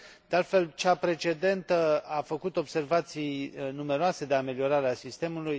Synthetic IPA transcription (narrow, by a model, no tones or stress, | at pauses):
d̪ealt̪fe̞lt͡ʃapɾe̞t͡ʃe̞d̪e̞nt̪əafəkut̪o̞bse̞rvat̪sijnume̞ɾoase̞d̪e̞ame̞lio̞ɾaɾeasist̪e̞muluj